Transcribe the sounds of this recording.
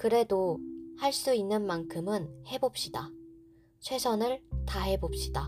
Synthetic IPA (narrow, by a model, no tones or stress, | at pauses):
kɯɾe̞dohaɭs͈uinːɯnmankʰɯmɯnhe̞bop̚ɕ͈ida | t͡ɕʰwe̞sʰʌnɯɭtaɦe̞bop̚ɕ͈ida